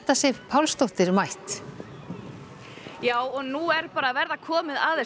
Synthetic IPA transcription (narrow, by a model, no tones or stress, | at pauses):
t̪asɛpʰawlst̪owht̪ɪɾmajht̪ | jaːwɔnuɛɾpaːɾaːvɛɾðakʰɔːmɪðaðɛ